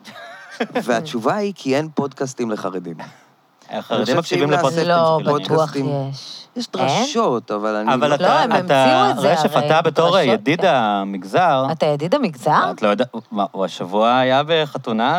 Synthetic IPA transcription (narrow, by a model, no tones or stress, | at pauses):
veat͡ʃuvaikʰienpodkastimleχaʁedim | χaʁed̪imːakʃivimlepoloaouaχimjeʃjɛʃd̪ʁaʃotavalanavalatlamːmtaeʃefat̪abet̪o̞ʁjadidamiɡzaʁat̪ajadidamiɡzaatalojodamauaʃavuaːjabeχatuna